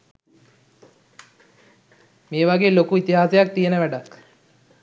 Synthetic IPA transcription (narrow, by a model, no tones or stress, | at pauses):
meːʋaɡeːlokuit̪iɦaːsejak̚t̪ijenəʋæɖak